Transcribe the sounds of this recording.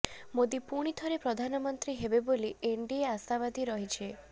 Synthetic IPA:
mod̪ipuɽ̃it̪ʰɔɾepɾɔd̪ʱanɔmɔnt̪ɾiɦebebolieɳɖieasaβad̪ʱiɾɔɦit͡ʃʰe

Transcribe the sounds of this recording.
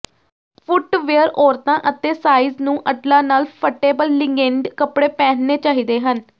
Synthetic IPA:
pʰʊʈʋeːəɾɔːɾt̪ãːʔət̪eːsaːiːznũːʔəʈlãːnaːlpʰəʈeːbəlːɪŋɡeɳɖkəpɽeːpɛ̃ːnneːt͡ʃaːɦiːd̪eːɦən

